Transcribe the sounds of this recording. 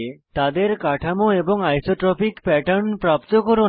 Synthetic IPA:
t̪ad̪eɾkaʈʰamoeboŋajsoʈɾɔpikpɛʈaɾnpɾapt̪okoɾo

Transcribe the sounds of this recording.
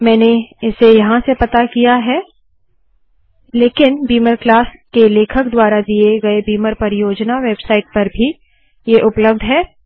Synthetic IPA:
mɛ̃ːneɪsejɐɦãsepɐt̪akijaɦɛː | leːkɪnbiːməɾklaːskeleːkʰəkd̪waːɾad̪ieɡɐebiːməɾpɐɾjoːd͡ʒnaʋeːbsaːɪʈ̚pɐɾbʱi | jeʔʊpləb̚d̪ʱɦɛː

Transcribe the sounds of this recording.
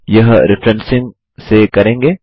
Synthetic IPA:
jɐɦɾɪfɾɛ̃nsɪ̃ŋɡ | sekɐɾẽːŋɡeː

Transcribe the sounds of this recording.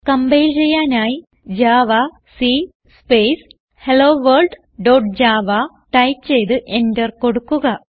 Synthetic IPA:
kɐmbejilt͡ɕejːaːnaːji | d͡ʑaːʋa | si | speːs | heloːʋɐrɭɖ | ɖoːʈ̚d͡ʑaːʋa | ʈɐjpt͡ɕe̞jt̪ɨʔendɐrko̞ɽukːuɣɐ

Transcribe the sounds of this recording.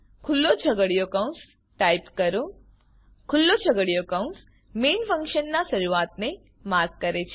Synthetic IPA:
kʰʊlːot͡ʃʰəɡəɽijokaũns | ʈaipkəɾõ | kʰʊlːot͡ʃʰəɡəɽijokəũns | menfʰə̃ŋkʃənːaʃəɾuat̪ne | maɾɡ̚kəɾet͡ʃʰe

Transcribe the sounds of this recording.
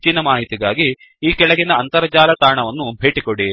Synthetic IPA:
t͡ʃinːɐmaːɦit̪iɡaːɡi | iːkɛɭɐɡinɐɐnt̪ɐɾɐd͡ʒaːlɐt̪aːɳɐʋɐnːubʱe̞ːʈikoɽi

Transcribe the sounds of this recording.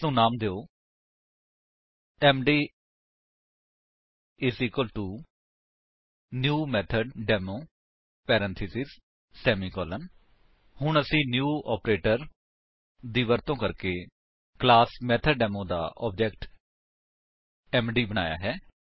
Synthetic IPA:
ũːnaːmd̪eːoː | ɛːmɖiː | ɪsiːkəlʈuː | njuːmɛːt̪ʰəɖɖɛːmoː | pɛːɾɛ̃nt̪ʰɪsɪsː | ɛːmiːkɔːlən | hʊɳəsĩːnjuːɔːpɾeːʈəɾ | d̪iːʋəɾt̪õːkəɾkeː | klaːsmɛːt̪ʰəɖɖɛːmõːd̪a̰ːʔɔ̰ːp̚d͡ʒɛːkʈ | ɛːmɖiːbəɽ̃a̰ːja̰ːɦɛː

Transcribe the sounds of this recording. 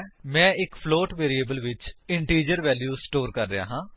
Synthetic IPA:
mɛ̃ːɪkpʰloːʈʋeːɾieːbəlʋɪt͡ʃɪɳʈiːd͡ʒəɾʋɛːljuːsʈoːɾkəɾːeja̰ːɦãː

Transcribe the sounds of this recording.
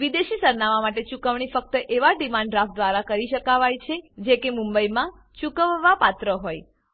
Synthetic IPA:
ʋid̪eʃisəɾnaʋamaʈet͡ʃukəʋɳ̃ifək̚t̪əʔeʋaɖimãɳɖɾafd̪ʋaɾakəɾiʃəkaʋajt͡ʃʰed͡ʒekemũmbəjmã | t͡ʃukəʋːapat̪ɾəɦoj

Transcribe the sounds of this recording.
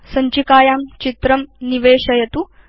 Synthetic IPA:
sɐɲt͡ʃikaːjaːmt͡ʃit̪ɾɐmniʋeːɕɐjɐt̪u

